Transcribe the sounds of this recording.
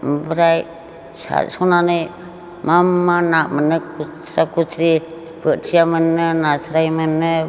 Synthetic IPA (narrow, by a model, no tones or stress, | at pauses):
bɾaj | sa̰ɾsɔnanɯj | mamːanaʔmənɯkusɾakut͡ʃʰɾi | bɯtsʰijamɯnːɯnasɾajmɯnːɯ